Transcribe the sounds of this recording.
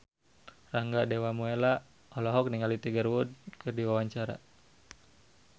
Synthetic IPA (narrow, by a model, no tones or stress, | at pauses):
raŋɡadewamuela | ɔlɔɦɔk̚niŋalit̪iɡərwud̚kɨrdiwawaɲt͡ʃaɾa̰